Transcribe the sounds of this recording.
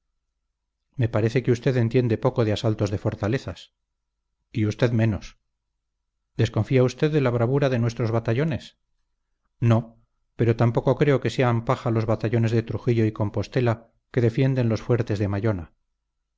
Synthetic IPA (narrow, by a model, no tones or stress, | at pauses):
me̞paɾe̞θe̞keust̪e̞ðe̞nt̪je̞nd̪e̞po̞ko̞ðeasalt̪o̞zðe̞fo̞ɾt̪ale̞θas | iust̪e̞ðmẽ̞nos | d̪e̞sko̞ɱfiaust̪e̞ðːe̞laβ̞ɾaβ̞uɾaðe̞nwe̞st̪ɾo̞zβat̪aʎo̞ne̞s | no̞ | pe̞ɾo̞t̪ampo̞kokɾe̞o̞ke̞se̞ampaχalo̞zβat̪aʎo̞ne̞zðe̞t̪ɾuxiʎo̞iko̞mpo̞st̪e̞la | ke̞ðe̞fje̞nd̪e̞nlo̞sfwe̞ɾt̪e̞zðe̞maʎo̞na